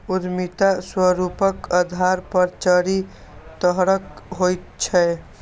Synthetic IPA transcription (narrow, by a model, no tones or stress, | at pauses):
uɾmit̪aswəɾupəkəd̪ʱaɾpəɾt͡ʃəɾi | t̪əɦɾəkɦojt̪̚t͡ʃʰɛ